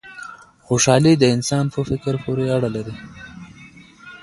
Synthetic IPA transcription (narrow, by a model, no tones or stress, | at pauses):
xoʃɑːlid̪əɪnsɑːnpofɪkɾpoɾeaɽalaɾi